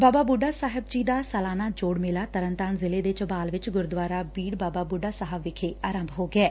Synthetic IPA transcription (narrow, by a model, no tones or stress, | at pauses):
baːbaːbuːɖaːsaːɦɪbd͡ʒiːd̪aːsəlaːnaːd͡ʒoːɽmɪlaːt̪əɾənt̪aːnzɪleːd̪eːt͡ʃəbaːlʋɪt͡ʃɡʊɾd̪ʋaːɾaːbiːɽbaːbaːbuɖaːsəɦəbːɪkʰeːʔaːɾə̃mbʱɦoːɡɪɛː